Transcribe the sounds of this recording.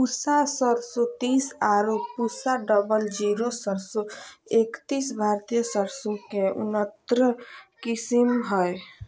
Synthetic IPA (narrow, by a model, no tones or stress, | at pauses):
pusasəɾsɔt̪isaɾopusaɖəbəld͡ʒiɾosəɾsɔekt̪isbʱaɾt̪ijəsəɾsũkeṵnət̪ɾəkisimɦəj